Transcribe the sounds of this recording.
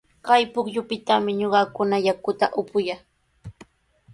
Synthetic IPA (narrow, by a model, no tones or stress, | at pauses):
kɑjpʊkʎʊpɪt̪amɪɲoɢɑkʊnajakʊt̪a̰ʔʊpʊja